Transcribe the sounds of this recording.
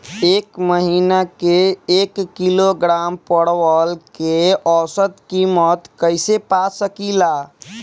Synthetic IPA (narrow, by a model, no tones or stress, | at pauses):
eːkməɦinakeekːiloɡɾampəɽʋəlkeɔsət̪kimɔt̪kəɪsepasəkila